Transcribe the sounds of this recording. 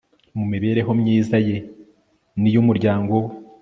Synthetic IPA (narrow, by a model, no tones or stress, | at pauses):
mumiβe̞ːɾe̞ɦo̞mɲiːzaje̞ | nijumuɾɟaːŋɡo̞